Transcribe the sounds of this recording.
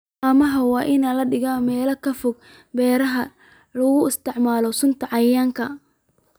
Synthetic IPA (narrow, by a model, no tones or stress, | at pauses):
ɐmɐɦɐwɑːʔɪnalɐɖɪɣaːmɛːlɐkʰɐfʊɡ̚ | bɛːɾɐɦɐ | lɐɣʊɪst̪ɪʕmaːlɔsʊnt̪ʰɐʕɑjaːŋkʰɐ